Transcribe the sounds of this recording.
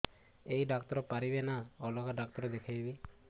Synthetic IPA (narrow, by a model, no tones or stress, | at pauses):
ejɖakt̪ɔɾɔpaɾibenaɔlɔɡaɖak̚t̪ɔɾɔd̪ekʰajbi